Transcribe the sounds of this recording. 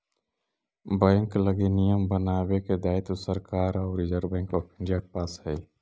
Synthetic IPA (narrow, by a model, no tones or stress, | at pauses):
bɛ̃ːŋkləɡinijəmbənaːbeked̪aːɪt̪osəɾkaːɾɔːɾid͡ʒəɾbɛ̃ːŋkopʰɳd͡ʒak̚paːshɛi